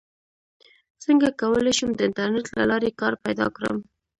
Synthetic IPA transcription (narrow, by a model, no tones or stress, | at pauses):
səŋɡakawəlaʃumd̪əɪntaɾnetla̰lɑɾekɑɾpajd̪ɑ̰kɾə̰m